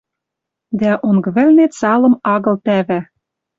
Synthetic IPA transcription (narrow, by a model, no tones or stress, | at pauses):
d̪æʔoŋɡβɘ̆lnet̪sɑlɤ̆mɑɣɤ̆lt̪æβæ